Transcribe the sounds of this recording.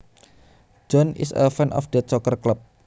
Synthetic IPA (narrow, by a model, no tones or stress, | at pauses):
d͡ʒɔnɪ̰sə̰fanʔɔ̰fd̪̥ət͡ʃɔkərklap̚